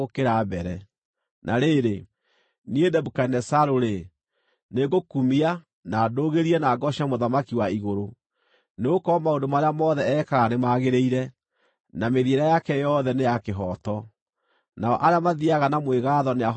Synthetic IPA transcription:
okeɾabɛɾɛ | nʔaɾeɾe | niedɛbukanɛsaɾoɾe | neɣokumia | naːdoːɣeɾiɛnaːɡɔɕamoðamakiwaiɣoɾo | neokɔmaondomaɾeamɔðɛɛːkaɣanemaɣeɾeiɾɛ | nameðieɾajakɛjɔðɛnejakeɦɔtɔ | naɔʔaɾeamaðiaɣanamweɣaːðɔnea

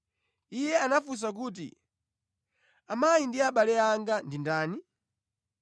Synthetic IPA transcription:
ijɛanafus̬ak̬uːt̬ḭ | amajindiaɓalɛaŋɡandindaːni

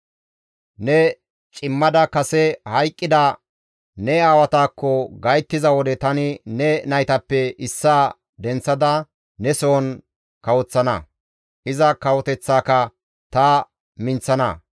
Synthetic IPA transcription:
nɛ | t͡ʃʼɪmːɐd̪ɐkɐsɛhɐjkʼːɪd̪ɐ | nɛaːwɐt̪aːkːɔɡɐjt̪ːɪzɐwɔd̪ɛt̪ɐnɪnɛnɐjt̪ɐpːɛɪsːaː | d̪ɛnt͡sːɐd̪ɐ | nɛsoɔn | kɐwɔt͡sːɐnɐ | ʔɪzɐkɐwɔt̪ɛt͡sːaːkɐ | t̪ɐ | mɪnt͡sːɐnɐ

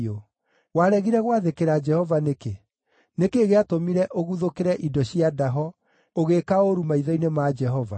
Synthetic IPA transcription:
o | waɾɛɣiɾɛɣwaðekeɾad͡ʒɛhɔvaneke | nekeːɣeatomiɾɛʔoɣuðokeɾɛʔidɔɕiadaɦɔ | oɣekaoɾumaiðɔinemad͡ʒɛɦɔva̰

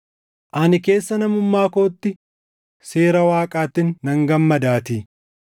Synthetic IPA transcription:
ʔɐnɪke̞ːsːɐnɐmʊmːaːko̞ːt̪ːɪ | se̞ːɾɐwaːkʼaːt̪ːɪnːɐŋɡɐmːɐd̪aːt̪iː

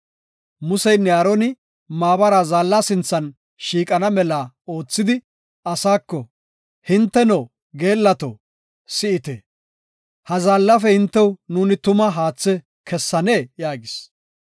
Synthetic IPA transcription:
mʊsɛjnɪaːɾɔnɪ | maːbɐɾaːzaːlːaːsɪnt͡sːɐn | ʃiːkʼɐnɐmɛlaː | o̞ːt͡sːɪd̪ɪ | ɐsaːkːɔ | hɪnt̪ːɛnoː | ɡe̞ːlːɐt̪o̰ | sɪɪt̪e | hɐzaːlːɐfɛhɪnt̪ːɛwnuːnɪt̪ʊmɐɦaːt͡sːɛ | kʰɛsːɐneːjaːɡɪs

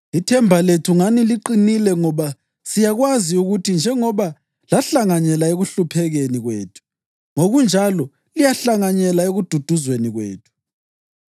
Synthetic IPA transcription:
itʰɛmbʱaletʰuŋaniliǃinilɛŋɔβa | sijaɣwaziuɣutʰind͡ʒʱɛŋɔβa | laɬaŋaɲɛlaeɣuɬupʰɛɣeniɣwḛːtʰu̥ | ŋoɣund͡ʒʱalɔ | lijaɬaŋaɲɛlaeɣud̥ʱud̥ʱuzweniɣwḛːtʰu̥

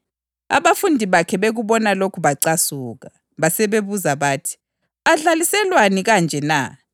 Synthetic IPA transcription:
a̰βafundʱiβakʰɛβeɣuβɔnalokʰuβaǀasuːɣa | βasɛβeβuzaβaːtʰi̥ | aɮalisɛlwaniɣand͡ʒʱɛna̰

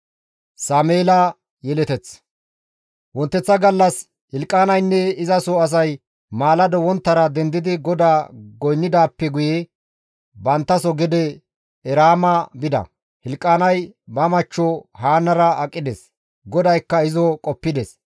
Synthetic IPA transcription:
saːmeːlɐ | jɛlɛt̪ɛt͡s | wɔnt̪ːɛt͡sːɐɡɐlːɐs | hɪlkʼːaːnɐjnːɛɪzɐsɔɐs̬ɐj | maːlɐd̪ɔwɔnt̪ːɐɾɐd̪ɛnd̪ɪd̪ɪɡɔd̪aːɡɔjnːɪd̪aːpːɛɡʊje | bɐnt̪ːɐsɔɡɛd̪ɛ | ɛɾaːmɐbɪd̪ɐ̰ | hɪlkʼːaːnɐjbɐmɐt͡ʃːɔhaːnːɐɾɐɐkʼːɪd̪ɛs | ɡɔd̪ɐjkːɐɪzɔkʼɔpːɪd̪ɛs

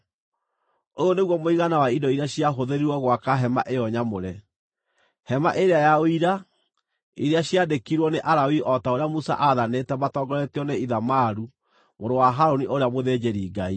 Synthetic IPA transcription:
ooneɣwɔmoiɣanawaidɔiɾaɕiaɦoðeɾiɾwɔɣwakaɦɛma̰ʔejɔɲamoɾɛ | hɛma̰ʔeɾeajaoiɾa | ḭɾeaɕiadekiɾwɔneʔaɾawiʔɔtaoɾeamusa̰ʔaðanetɛmatɔɡɔɾɛteɔneiðamaɾu | moɾowaɦaɾoniʔoɾeamoðed͡ʒeɾiːɡai

